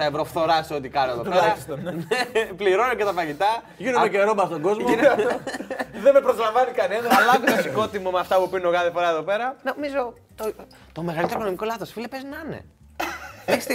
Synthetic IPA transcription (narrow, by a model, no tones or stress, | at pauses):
t̪ɐevɾo̞fθo̞ɾɐseot̪ikɐnieðopeɾɐnepliɾonecet̪ɐfɐʝit̪ɐ | ʝinumeceɾomɐst̪oɡo̞zm | ðemepɾozlɐɱvɐnikɐnendoɐlɐɣud̪osko̞t̪imomeɐft̪ɐpupinunoɣɐðipoɾɐeðope̞ɾɐnomizo | t̪o | t̪o̞me̞ɣɐlit̪eɾokonomiko̞lɐθo̞sfilepeznɐnḛ | eçs